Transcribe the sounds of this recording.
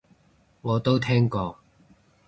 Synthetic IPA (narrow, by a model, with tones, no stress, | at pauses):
ŋɔː˨˧t̪o˥wt̪ʰɛː˥ŋkɔː˧